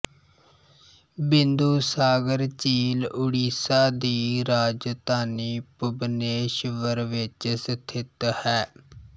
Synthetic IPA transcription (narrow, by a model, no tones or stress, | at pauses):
bɪnd̪uːsaːɡəɾt͡ʃiːlʊɽiːsaːd̪iːɾaːd͡ʒt̪aːniːpʊbneːʃʋəɾʋɪt͡ʃsət̪ʰɪt̪hɛː